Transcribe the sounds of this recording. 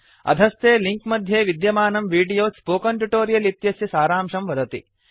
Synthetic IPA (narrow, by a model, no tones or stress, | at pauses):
ɐ̰d̪ʱɐst̪eːliŋkmɐd̪ʱjeːʋid̪jɐmaːnɐmʋiːɖijoːspoːkɐɳʈuʈoːɾijɐlit̪jɐsjɐsaːɾaːmʂɐmʋɐd̪ɐt̪ḭ